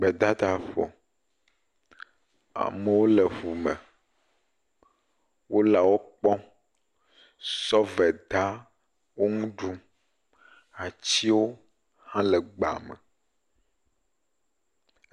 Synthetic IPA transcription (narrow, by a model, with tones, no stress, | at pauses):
ɡ͡bɛ˨d̪a˦d̪a˨ɸo̰˨ | a̰˨me˨wo˦le˨ɸu˨mɛ˨ | wo˦la˨wo˦k͡pɔ̃˦ | sɔ˦vɛ˨d̪a˦ | wo˦ŋũ˦ɖu˦ | a˨t͡ɕi˦wo˦ | hã˦le˨ɡ͡ba̰˨mɛ˨